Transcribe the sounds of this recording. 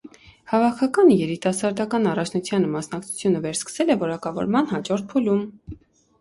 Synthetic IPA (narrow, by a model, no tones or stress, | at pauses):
hɑvɑkʰɑkɑnjɛɾit̪ɑsɑɾd̪ɑkɑnɑrɑt͡ʃʰnut͡sʰjɑnəmɑsnɑkt͡sʰu̥t͡sʰjunəvɛɾskə̥sɛlɛvɔɾɑkɑvɔ̰ɾmɑnɦɑd͡ʒɔɾt̪̚pʰulum